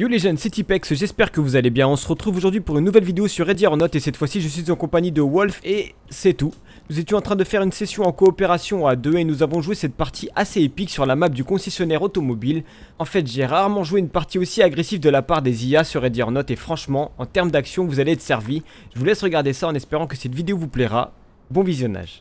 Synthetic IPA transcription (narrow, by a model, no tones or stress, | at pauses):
juleʒanset̪ipɛksʒɛspɛʁkəvuzalebjɛ̃ɔ̃sə̥ʁət̪χuvoʒuʁd̪ɥipuʁynːuvɛlvid̪eosyʁːed̪jɔʁnɔt̪esɛt̪fwasiʒəs̬ɥizɑ̃kɔ̃paɲid̪əwɔlfe | sɛt̪u | nuzet̪jɔ̃ɑ̃t̪χɛ̃d̪əfɛʁynsɛsjɔ̃ɑ̃kɔːpeʁasjɔ̃ad̪øenuzavɔ̃ʒuwesɛt̪̚paʁt̪ʰiʔaseepiksyʁlamap̚d̪ykɔ̃sɛsjɔnɛʁot̪ɔmɔbil | ɑ̃fɛt̪ʒeʁaʁmɑ̃ʒuweynpaʁt̪iosiaɡʁesivd̪əlapaʁd̪eziasyʁed̪iɔ̰ʁnɔt̪efχɑ̃ʃmɑ̃ɑ̃t̪ɛʁməd̪aksjɔ̃vuzaleɛt̪sɛʁvi | ʒ̥əvulɛsʁəɡaʁd̪esaɑ̃nɛspeʁɑ̃kəsɛt̪vid̪eovuplɛʁa̰ | bɔ̃vizjɔna̰ʒ̥